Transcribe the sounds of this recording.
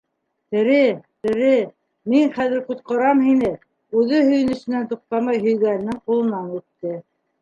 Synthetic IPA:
t̪ɘ̆ɾɘt̪ɘ̆ɾɘ | miŋχæðɘ̆ɾqut̪̚qɑɾɑmhinɘ | ʉðɘhɵ̆jɘ̆nɵ̆sɘ̆nænt̪uq̚t̪ɑmɑjɦɵ̆jɡænːɘŋqulˠɤ̆nɑnʉt̪ːɘ

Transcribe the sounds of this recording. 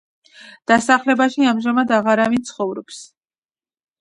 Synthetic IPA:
d̪̥asaχlɛbaʃiamʒamad̪aʁaɾavint̪sʰχɔvɾɔps

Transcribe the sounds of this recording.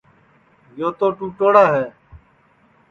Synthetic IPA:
joːt̪oːʈuːʈoːɽaːɦɛː

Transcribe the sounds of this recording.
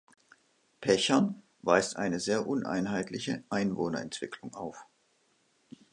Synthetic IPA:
pʰɛçɐn | vaɪstʔa̰ɪnəzeːɐʔʊnʔa̰ɪnɦaɪtʰlɪçəʔaɪnvoːnɐɛntv̥ɪkʰlʊŋʔaʊf

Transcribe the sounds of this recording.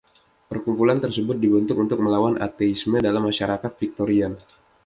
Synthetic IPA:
pərkumpulant̪ərsəbʊt̪̚dibənt̪ʊkunt̪ʊk̚məlawanʔa̰t̪eismədalamːaʃaɾakat̪̚fik̚t̪oɾian

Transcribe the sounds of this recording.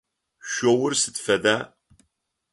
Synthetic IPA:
ʃowʊrsɨtfɐdaː

